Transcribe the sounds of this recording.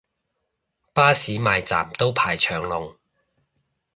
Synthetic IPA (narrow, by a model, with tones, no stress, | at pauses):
paː˥siː˨˥maː˨jt͡sa̰ː˨˩mt̪o˥wpʰaː˨˩jt͡ʃʰœː˨˩ŋlʊ˨ŋ